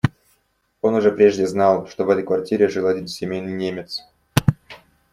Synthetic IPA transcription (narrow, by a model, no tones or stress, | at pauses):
o̞nʊʐɛpɾʲeʐdʲɪznɑlˠʂt̪ovɛt̪əjkvɐrtʲiɾʲɪʐɨlˠɐdʲinsʲɪmʲejnɨjnʲemʲɪt̪s